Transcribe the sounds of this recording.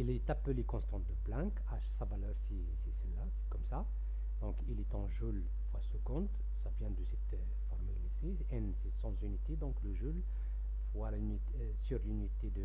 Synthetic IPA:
ilɛt̪apølekɔ̃st̪ɑ̃t̪̚d̪əplɛ̃k | aʃsavalœʁsi | sisɛlːase̥kɔmsa | d̪ɔ̃kilet̪ɑ̃ʒul | fwasukɔ̃t̪ | savjɛ̃d̪əsɛt̪ | fɔʁmylese | ɛnsesɑ̃zynit̪ed̪ɔ̃kləʒul | fwalaynit̪ | syʁlynit̪ed̪ə

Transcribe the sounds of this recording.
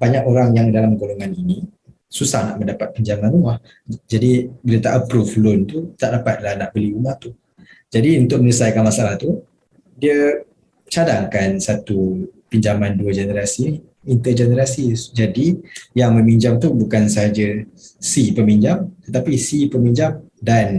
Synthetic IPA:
baɲakoɾaŋjaŋdalamɡoloŋanini | susahna̰ʔmə̃ndapat̪̚piɲd͡ʒamãnumah | d͡ʒadibələt̪aʔəpɾuflʊnt̪ut̪aʔdapat̪̚lahnaʔbəliumaht̪u | d͡ʒadiunt̪ʊk̚mənəsajkanmasaalaht̪u | diə | t͡ʃadaŋkansat̪upiɲd͡ʒamanduəd͡ʒənəɾasiniː | nt̪əd͡ʒənəɾasid͡ʒadijaŋməmiɲd͡ʒamt̪ubukansəɦad͡ʒəsipəmiɲd͡ʒamt̪ət̪apisipəmiɲd͡ʒam | dan

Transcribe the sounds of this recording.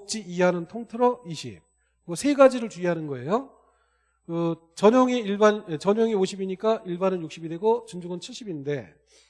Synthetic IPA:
k̚t͡ɕ͈iiɦanɯntʰoŋtʰɯɾʌiɕʰḭp̚ | ʌsʰeɡad͡ʑiɾɯɭt͡ɕuiɦanɯnɡʌe̞jo | kɯ | t͡ɕʌɲʌŋiiɭbanet͡ɕʌɲʌŋioɕʰibiɲik͈aʔiɭbanɯnjuk̚ɕ͈ibidwe̞ɡot͡ɕɯnd͡ʑoɡɯnt͡ɕʰiɭɕ͈ibinde̞

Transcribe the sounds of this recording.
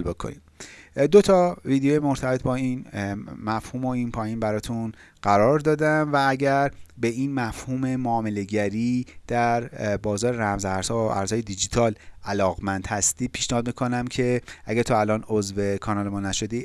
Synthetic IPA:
lbo̞kʰo̰nḭd̪d̪o̞t̪ʰɒviːd̪ejoːjemo̞ɾt̪ʰæbe̞t̪̚bɒːinmæfhuːmo̞inpʰɒːjiːnbæɾɒːt̪ʰun | ɢ̥æɾɒːɾd̪ɒːd̪æmvææɟæɾbe̞inmæfhuːme̞moːme̞le̞ɟæɾiːd̪̥æɾbɒːzɒːɾeɾæmzæɾz̥hɒæ̰ɾshɒːjed̪id͡ʒit̪ʰɒːlælɒːɣmænd̪̥hæst̪iːpʰi̥ːʃnehɒːd̪̚mikʰo̞næmcʰe̞ʔæɡæɾt̪ʰɔːælɒːnozve̞kʰɒːnɒːlemɒːnæʃo̞d̪i

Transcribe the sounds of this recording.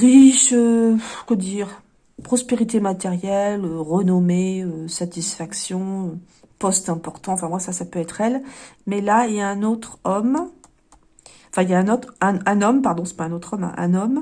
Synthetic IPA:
ʁiʃøkəd̪iːʁ | pχɔspeʁit̪emat̪ɛʁjɛløʁənɔmeøsat̪isfaksjɔ̃ø | pɔst̪ɛ̃pɔʁt̪ɑ̃ɑ̃fɛ̃vwasasapøɛt̪χɛlmɛlailjaɛ̃not̪χɔm | ɑ̃fɛ̃iljaɛ̃not̪χɛ̃ɛ̃nɔmpaʁd̪ɔ̃sɛ̥paɛ̃not̪χɔmɛ̰̃ʔɛ̰̃nɔm

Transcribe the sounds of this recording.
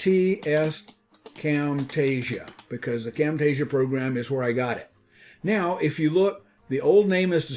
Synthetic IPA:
tʰiɛs | kʰæ̃mtʰeɪʒɨ̰b̥ɨkʰʌzðɨkʰæ̃mteɪʒɨpʰɹ̥oʊɡɹæ̃mɨzwə˞aɪɡɑɾɪ̰t̚ | naʊʔɪfjɨlʊk̚ | ðiʔoʊlˠdⁿnẽɪ̃mɨzðɨ

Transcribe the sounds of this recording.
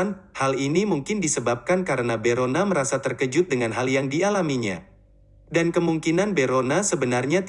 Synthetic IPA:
nhalinimuŋkɪndisəbap̚kankaɾənabeɾonaməɾasat̪ərkəd͡ʒʊt̪̚dəŋanɦaljaŋdialamiɲa̰ | dankəmuŋkinanbeɾonasəbənarɲat̪

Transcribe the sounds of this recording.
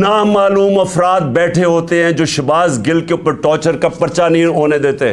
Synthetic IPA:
naːmaːluːmɐfɾaːt̪̚bɛːʈʰeɦoːt̪eɦɛ̃ːd͡ʒoːʃɪbaːsɡɪlkeʊpːəɾʈɔːt͡ʃəɾkapɐɾt͡ʃaniɦoːned̪eːt̪eɦɛ̰̃

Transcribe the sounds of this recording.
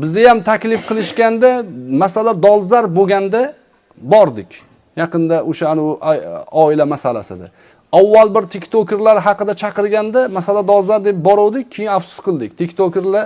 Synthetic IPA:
bɪzajamt̪ʰakʲlɪfqʰɨlˠɪʃkʲand̪amasalad̪ɒlˠzaɾboɡʲand̪a | bɒɾd̪ɪkʲ | jɑqɨnd̪aʔoʃaanɪʊʔɒɪlamasala̰sɪd̪a̰ | awːalˠbɪɾt̪ʰekʲt̪ʰokʲɪɾlaɾɦɑqɨd̪at͡ʃʰɑqɨɾɡʲand̪amasalad̪ɒlˠzaɾd̪e̞p̚bɒɾɒwd̪ɪk̚ʲʰːejɪnafsʊ̥sqʰɨlˠd̪ɪk̚ʲt̪ʰekʲt̪ʰokʲeɾla

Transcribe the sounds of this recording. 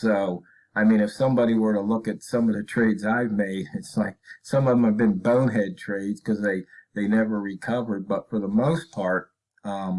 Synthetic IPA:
soʊ | aɪmĩɾnɨfsʌ̃mbɑɾiwə˞ɾəlʊkɨtsʌ̃mʌɨtʰɹ̥eɪdzaɪvmeɪɾɨtslaɪk̚sʌ̃mʌvə̃m̩ɨvbɨ̃nbõʊ̃nɛd̚tʰɹ̥eɪdz̥kʰʌzðeɪðeɪnɛvə˞ɹikʰʌvə˞d̚bʌtfə˞ðəmoʊspʰɑɹt̚ | ʌ̃m

